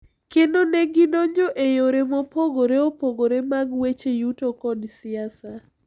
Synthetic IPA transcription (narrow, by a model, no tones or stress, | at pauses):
kendoneɡɪnoɲɔʔejoɾemɔpoɡoɾeopoɡoɾemaɡwet͡ʃejutokɔdsɪasa